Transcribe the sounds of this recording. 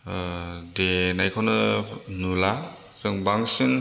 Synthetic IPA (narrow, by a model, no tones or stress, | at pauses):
denajkʰɔnɯnula | zɯŋbaŋsin